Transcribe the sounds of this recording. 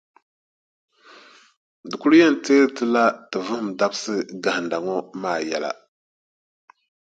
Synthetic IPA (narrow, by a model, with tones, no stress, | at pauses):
dɨ˨ku˦lu˦jɛ˦n̩˨teː˦ɾtɨ˦la˦tɨ˨vɨ˦hɨ˦m˨da˦bsɨ˦ɡa˨hn˨da˨ŋɔ˦maː˦˨jɛ̰˨la̰˨